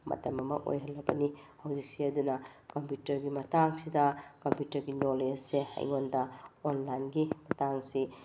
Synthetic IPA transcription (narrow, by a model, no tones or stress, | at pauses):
mɐ̰tɐmɐmɐʔo̰jɦɐlːɐbɐni | hɐwzik̚siɐdunɐkɐmpjutɐɾɡimɐtaŋsidɐkɐmpjutɐɾɡinolessehɐ̰jŋondɐonlajnɡimɐtaŋsi